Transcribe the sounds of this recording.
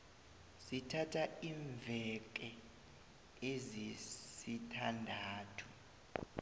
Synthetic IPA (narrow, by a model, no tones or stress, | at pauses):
sitʰatʰaiːɱvʱɛk̬ʼɛ | ezisitʰandʱaːtʰu̥